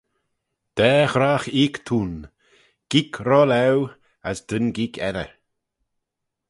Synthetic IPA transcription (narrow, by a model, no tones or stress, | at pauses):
d̪̥ɛːxɾaːxiːkt̪ʰuːn | ɡ̥ikʰɾɔlɛw | asd̪̥ənɡikʰɛɾə̰